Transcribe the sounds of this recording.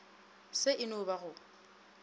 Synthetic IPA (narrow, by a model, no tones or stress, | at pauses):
sɪʔɪnʊbaɣʊ